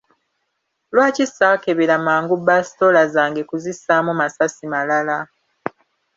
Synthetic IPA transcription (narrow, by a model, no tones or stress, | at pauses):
lwaːcisakeβiɾamaːŋɡubasi̥to̞lazaːŋɡe̞kuzisamumasasimalala